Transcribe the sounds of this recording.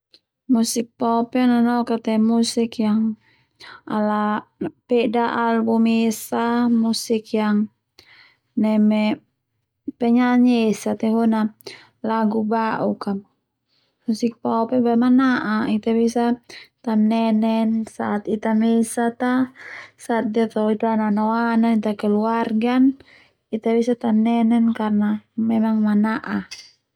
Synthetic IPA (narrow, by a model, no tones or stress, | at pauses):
musik̚pɔpɛnanɔkat̪ɛmusikjaŋ | a̰lapɛdaʔalbumesamusikjaŋ | nɛmɛ | pɛɲaɲesat̪ɛɦuna | laɡubaʔukam | susik̚paɔpɛbamanaʔait̪abisat̪anːɛnɛnsaːt̪it̪amɛsat̪asaːt̪̚diat̪ait̪ananoananit̪akɛluarɡan | it̪abisat̪anːɛnɛnkarnamɛmaŋmanaʔa